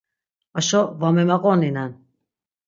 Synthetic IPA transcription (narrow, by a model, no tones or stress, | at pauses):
aʃɔvamɛmaɣʼɔninan